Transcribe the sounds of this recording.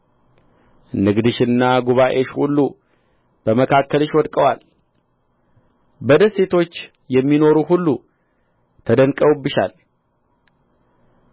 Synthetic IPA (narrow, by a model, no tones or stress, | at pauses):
nɨɡd̪ɨʃɨnːaɡuβaʔe̞ʃhṵlːu | b̥əməkʰakːəlɨʃwɔd̪kʼəwal | bəd̪əse̞t̪ʰo̞t͡ʃː | jɛmːino̞ɾuɦulːu | t̪ʰəd̪ənkʼəwubːɨʃa̰l